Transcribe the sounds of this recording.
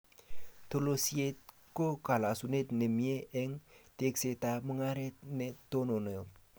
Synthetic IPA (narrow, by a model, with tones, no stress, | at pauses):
tolo˦siet̚ | ko˦ka˨la˨sune˦tne˨mie˦ʔɛŋte˦kse˨taməŋa˦ɾe˦t̚neto˦no˨no˨jo˨